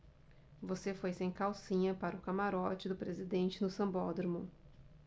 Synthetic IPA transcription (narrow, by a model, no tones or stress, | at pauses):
vosefojsẽj̃kawsĩɲɐpaɾɐʊkamaɾɔt͡ʃɪd̪ʊpɾezid̪ẽnt͡ʃɪnʊsɐ̃bɔd̪ɾmũ